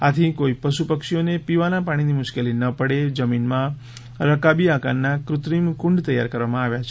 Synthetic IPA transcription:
at̪ʰikoipəʃupəkʃionepiʋanapaɽ̃inimʊʃkelinəpəɽed͡ʒəminmã | ɾəkabiakannːakɾʊt̪ɾimkʊ̃ɳɖt̪əjːa̰ɾkəɾʋamãaʋjat͡ʃʰe

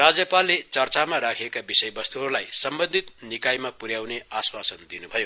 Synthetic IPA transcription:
rad͡zjʌpalːet͡sʌrt͡samaɾakʰiekabisʌjbʌst̪uɦʌɾlajsʌmbʌnd̪ʱit̪̚nikajmapuɾjawneaswasʌnd̪inubʱʌjo

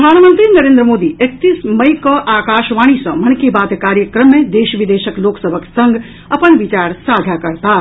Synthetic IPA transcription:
d̪ʱaːnmənt̪ɾinɐɾẽːnd̪ɾəmoːd̪iek̚t̪iːsmɐjkɔʔaːkaːʃʋaːɽ̃isɐ̃mɐnkebaːt̪kaːɾjəkɾəmːẽd̪eːʃʋid̪eːʃəkloːksəbʱəksɐ̃ŋɡʱ | ɐpənʋit͡ʃaːɾsaːd̪ʱakɐɾt̪aː

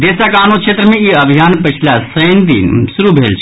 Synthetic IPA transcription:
d̪eːsakaːnokʃeːt̪ɾəmẽiəbʱijaːnpət͡ʃʰlasəjnd̪ḭnsuɾubʱelt͡ʃʰ

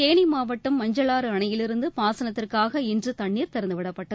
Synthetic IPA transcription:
eːɳimaːʋɐʈːɯmːɐɲd͡ʒɐlaːɾɯɐɳɐjɪlɪɾɯnd̪ɯpaːsɐnɐt̪ːɪrkaːɣɐɛndrɯt̪ɐɳːiːɾt̪ɛɾɐnd̪ɯʋɪɽɐpːɐʈːɐð

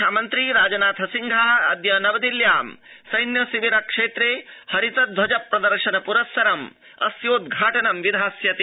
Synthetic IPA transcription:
ʃaːmɐnt̪ɾiɾaːd͡ʒɐnaːt̪ʰɦɐsiŋɡʱaːɦɐɐd̪jɐnɐʋɐd̪iljaːmsɐjnjɐsiʋiɾɐkʂeːt̪ɾeːhɐɾit̪ɐd̪ʱʋɐd͡ʒɐpɾɐd̪ɐɾʂɐnɐpuɾɐsːɐɾɐm | ɐ̰sjoːd̪ɡʱaːʈɐnɐmʋid̪ʱaːsjɐt̪i

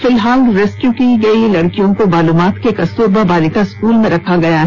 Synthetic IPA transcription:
fɪlɦaːlɾeːskjukiɡɐilɐɽkijõkomaːluːmaːt̪kekɐst̪uːɾbabaːlɪk̪askuːlmẽɾɐkʰaɡɐjaɦ

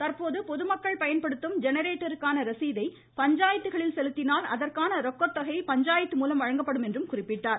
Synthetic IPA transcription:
t̪ɐrpoːðɯpɔðɯmɐkːɐɭpɐjɐnpɐɽɯt̪ːɯmd͡ʒɛnɐɾeːʈːɐɾɯkːaːnɐɾɐsiːðɐɪ | pɐɲd͡ʒaːjɐt̪ːɯɣɐɭɪlsɛlɯt̪ːɪnaːlɐðɐrkaːnɐɾɔkːɔt̪ːɐɣɐɪpɐɲd͡ʒaːjɐt̪ːɯmuːlɐmʋɐɻɐŋɡɐpːɐɽɯmɛndrɯmkʊrɪpːɪʈːaːɾ

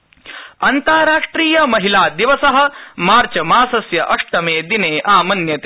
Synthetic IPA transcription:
ɐnt̪aːɾaːʂʈɾiːjɐmɐɦilaːd̪iʋɐsɐɦɐ̆maːɾt͡ʃɐmaːsɐsjɐʔɐʂʈɐmeːd̪ineːʔaːmɐnjɐt̪e

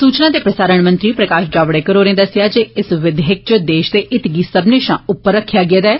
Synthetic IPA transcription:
suːt͡ʃnãːd̪eːpɾəsaːɾəɳ̃mə̃nt̪ɾiːpɾəkaːʃd͡ʒaːʋɽeːkəɾoːɾẽːd̪əsjaːd͡ʒeːɪsʋɪd̪ɦɪk̚t͡ʃəd̪eːʃd̪eːʔɪt̪ɡiːsəbnɪʃãːʊpːəɾːəkʰːjaːɡɪeːd̪aːɛː

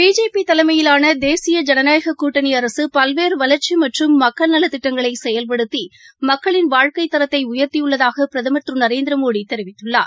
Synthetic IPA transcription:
biːd͡ʒeːpit̪ɐlɐmɐjɪlaːnɐd̪eːsɪjɐd͡ʒɛnɐnaːjɐɣɐkːuːʈːɐniɐɾɐsɯpɐlʋeːɾɯʋɐlɐɾt͡ʃimɐʈrɯmːɐkːɐɭnɐlɐt̪ːɪʈːɐŋɡɐɭɐɪsɛjɐlpɐɽɯt̪ːi | mɐkːɐɭɪnʋaːɻkɐɪt̪ːɐɾɐt̪ːɐɪʊjɐɾt̪ijɯɭːɐðaːɣɐpɪɾɐðɐmɐt̪ɾɯnɐɾeːnd̪ɪɾɐmoːɽit̪ːɛɾɪʋɪt̪ːɯɭːa̰ːɾ

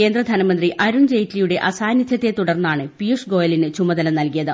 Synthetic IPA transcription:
ke̞ːnd̪rɐd̪ʱɐnɐmɐnd̪riʔɐɾund͡ʑejtlijuɽe̞ʔɐsaːnjɐd̪ʱjɐt̪ːe̞t̪uɽɐrnːaːɳɨpijuʂɡo̞ːjɐlinɨt͡ɕumɐd̪ɐlɐmnɐlkijɐðɨ

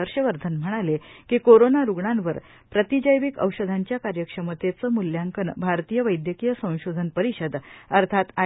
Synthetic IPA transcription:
əɾɕəʋəɾd̪ʱənm̤əɽ̃alekikoɾonaɾuɡɳanʋəɾ | pɾət̪id͡ʑəjʋikə̰wɕəd̪ʱaɲt͡ɕjakaɾjəkʂəmət̪et͡səmuljaŋkənbʱaɾt̪ijəʋəjd̪jəkijəsə̃w̃ɕod̪ʱənpəɾiɕəd̪əɾt̪ʰat̪a

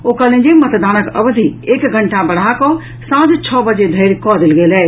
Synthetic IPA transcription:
okəlẽd͡ʒemət̪d̪anəkə̰bd̪ʱiekɡʱəɳʈabəɽ̤akɔ | sãd͡ʒt͡ʃʰɔbəd͡ʒed̪ʱəɾkɔd̪ilɡelɛ

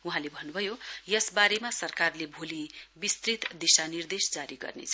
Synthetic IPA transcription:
uɦãlebʱʌnːubʱʌjojʌsbaɾemasʌrkarlebʱolibist̪rit̪d̪isanird̪esd͡zaɾiɡʌ̰rnḛt͡sʰʌ

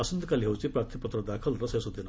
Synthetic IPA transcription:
asənd̪kalɦewt͡sipɾaɾt̪ʰipət̪ɾəd̪akʰəlɾɐsesud̪in

